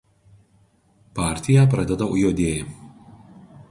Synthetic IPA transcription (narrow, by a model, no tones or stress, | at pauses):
pɑːˑɾʲt̪ʲɪjɛˑp̬ɾɐd̪ʲɛd̪ɐʊ̰joːd̪ʲeːj